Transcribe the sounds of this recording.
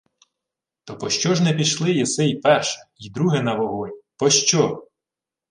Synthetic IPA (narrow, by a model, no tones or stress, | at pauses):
t̪ɔpɔʃt͡ʃɔʒnɛpʲiʃlˠɪjɛsɛjpɛrʃɛ̥id̪ɾuɦɛnɐʋɔɦɔjʲpɔʃt͡ʃɔ